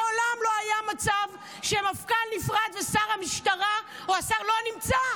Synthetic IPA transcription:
olamlo̞ajamat͡sav | ʃemafkalːifʁad̪vesaʁhamiʃtaʁa | oasaʁlo̞nimt͡sa

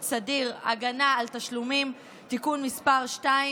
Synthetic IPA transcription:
t͡sad̪iʁa̰ɡanaːlt̪aʃlumim | t̪ikunmispaʁʃtai

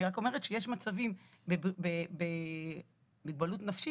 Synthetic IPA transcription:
iʁako̞me̞ʁetʃeje̞ʃmat͡savimbebbebe | biɡ̚balutnafʃi

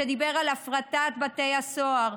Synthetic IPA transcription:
ed̪ibe̞ʁalafʁat̪at̪batejasoaʁ

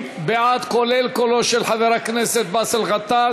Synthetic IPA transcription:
beʕad̪kolelkoloʃelħaveʁakneset̪̚baselɣat̪a

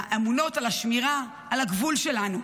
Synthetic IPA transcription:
ʔemuno̞talaʃmiʁaː | laɡvulʃe̞lanu

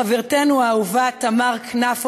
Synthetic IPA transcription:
aviʁtenuauvat̪amaʁknaf

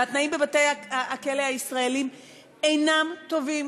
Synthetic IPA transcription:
at̪naimbebat̪ejaaakeleaisʁaelim | ejnamt̪o̞vim

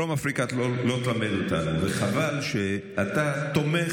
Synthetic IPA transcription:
omafʁikatolo̞t̪lamed̪ot̪a̰nuveχavalʃe | at̪at̪o̞me

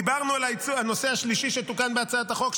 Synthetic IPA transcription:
ibaʁnualait͡suano̞se̞aʃliʃiʃet̪ukanbeat͡saat̪aχo̞k

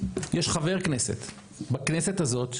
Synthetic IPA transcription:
jeʃχave̞ʁknesḛt̪ | baknese̞t̪hazo̞t̪

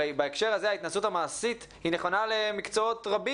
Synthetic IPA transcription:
baekʃe̞ʁazeait̪nasuthamaːsit̪ | hine̞χo̞nale̞mikt͡so̞otʁabi

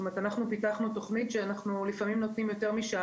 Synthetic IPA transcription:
tomet̪anaχnupitaχnut̪o̞χnitʃeanaχnulifamimno̞tnimjo̞te̞ʁmiʃa

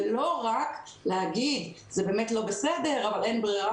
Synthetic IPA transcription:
lo̞ʁak | leaɡid̪ | zebe̞ːmetlo̞besede̞ʁavale̞nbʁiʁa

